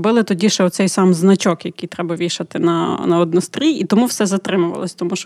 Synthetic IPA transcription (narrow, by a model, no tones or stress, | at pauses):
bɪlˠɪt̪ɔdʲiʃɛɔt̪sɛjsɑmznɐt͡ʃɔkjɐkɪjt̪ɾɛbɐʋʲiʃɐt̪ɪnɐnɐɔd̪̚nɔst̪ɾʲiit̪ɔmuwsɛzɐt̪ɾɪmʊʋɐ̰lˠɔsʲt̪ɔmuʃ